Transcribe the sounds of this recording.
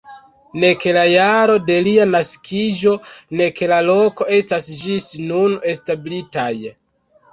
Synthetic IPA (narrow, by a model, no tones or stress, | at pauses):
ne̞ke̞lajaɾo̞de̞lianaskʰid͡ʒo̞ne̞ke̞lalo̞ko̞e̞stasd͡ʒisnune̞stabilitaj